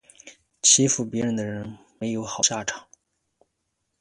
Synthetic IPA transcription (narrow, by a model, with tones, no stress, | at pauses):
t͡ɕʰi˥fu˧˥˩pjɛ˧˥ɻə˧˥nd̪ə˧ɻə˧˥n | me˧˥ɪjo˧˥ʊxɑ˨˩ʊɕja˥˩ʈ͡ʂʰɑ̥˨˩˦ŋ